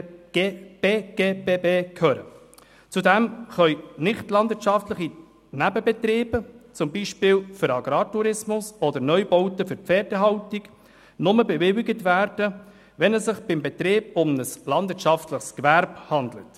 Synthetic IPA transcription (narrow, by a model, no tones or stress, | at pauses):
b̥eːɡ̥eːbeːbeːkʰhœːɾə̰ | t͡sudɛmχœʏnɪχtlɑndvɪɾtt͡ʃɑftləχi | næbəbɛtreːb̥ət͡sʊmbiːʃpɪːlfʏɾɑɡɾɑːtuɾɪsmʊsɔdəɾnœʏbɔʊtəfʏɾpp͡fɛːɾdəɦɑʊtiɡ | nʊməbɛvɪwɪɡətʋæːɾd̥ə | ʋɛnɛssɪχb̥ɪmbɛt̪ɾeːbʊmnəslɑnd̥̪ʋɪtʃɑftləχskvæɾbhɑnd̪lət